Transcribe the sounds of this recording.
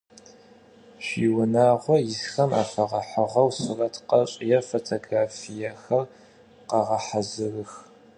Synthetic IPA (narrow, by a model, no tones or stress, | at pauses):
ʃiːwʊnaːʁʷɔjɪsxɐma̰ːfɐʁɐħəʁɐwsɨrɐtʰqɐɕʼjɐfotʰoːɡraːfijɐxɐr | qɑʁɐħazɨrɨx